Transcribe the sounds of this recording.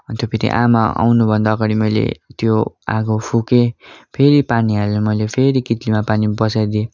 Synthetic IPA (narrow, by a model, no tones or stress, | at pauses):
ʌt̪jopʰeɾḭʔa̰maa̰wnubʱʌnd̪aːɡaɽimʌjlḛt̪joa̰ɡopʰukepʰeɾipaniɦalemʌjlepʰeɾikit̪limapanibʌsajd̪ie